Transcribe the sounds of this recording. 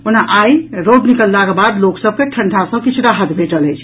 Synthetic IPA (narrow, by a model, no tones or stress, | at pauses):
onaʔajɾoɡnikəlːaɡəbad̪loksəb̚keʈʰəɳɖʱasə̃bkit͡ʃʰɾaɦət̪bʱeʈələjt͡ʃʰ